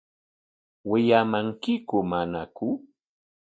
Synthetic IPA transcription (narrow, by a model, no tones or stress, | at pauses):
wɪʎamaŋkɪkʊmanakʊ